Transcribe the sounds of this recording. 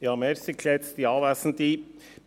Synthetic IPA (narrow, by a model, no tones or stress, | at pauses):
jɑːmeːɾsɪkʰleːt̪st̪ɪɑːʋæsn̩t̪i